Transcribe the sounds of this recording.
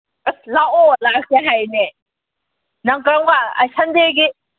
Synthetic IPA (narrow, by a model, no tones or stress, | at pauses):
laolak̚seɦajne | naŋkɾaŋbaa̰sand̪eɡi